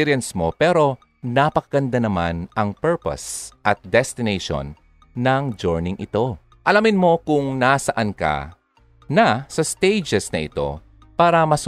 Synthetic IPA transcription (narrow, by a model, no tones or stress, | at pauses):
ɾjɛnsmo̞pɛɾo̞ | napɐkɐɡɐnd̪anɐmanɐŋpɛɹpɐ̰sʔɐt̪̚d̪ɛst̪ɪnejʃo̰nː | ɐŋd͡ʒoɹnɪŋʔɪt̪o̞ | ʔɐlamɪnmo̞kʊŋnasɐʔankɐ̰ | nɐsɐst̪ejd͡ʒɛsnɐʔɪ̰t̪o̞̰ | paːɾɐmɐs